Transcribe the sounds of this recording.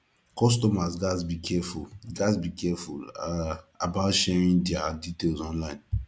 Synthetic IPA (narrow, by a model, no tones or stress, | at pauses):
kɔstɔmazɡasbikʰɛfulɡazbikɛfṵl | abatʃɛɹĩndɛaditelzɔ̃nlaɪ̃n